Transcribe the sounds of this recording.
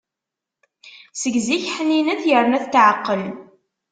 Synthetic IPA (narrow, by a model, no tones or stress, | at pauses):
səɡziçħənːinæθjəɾˤnæθt̪ːʕəqːəl